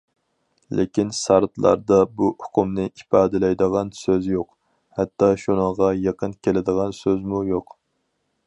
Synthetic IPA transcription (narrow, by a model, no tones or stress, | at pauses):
lʔɪ̰kʲinsɑɾt̪lˠɑ̰ɾd̪ɑbuʊqumnɨʔipɑːd̪ɪlɛjd̪əʁɑnsøzjoq | hɛt̪ːɑʃunəŋʁɑjɑqʰənkʲʰelɪd̪əʁɑnsøzmujoq